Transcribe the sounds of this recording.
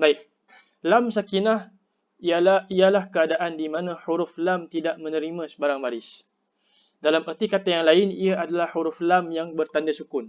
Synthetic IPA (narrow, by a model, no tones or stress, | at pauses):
baɪk̚ | lamsakinah | ialaialahkəadaʔandimãnãħuɾʊflamt̪idaʔmə̃nə̃ɾimãsəbaɾaŋbaɾɪs | dalamərt̪ikat̪ajaŋlaɪniaʔadalahhuɾuflamjaŋbərt̪andasukʊn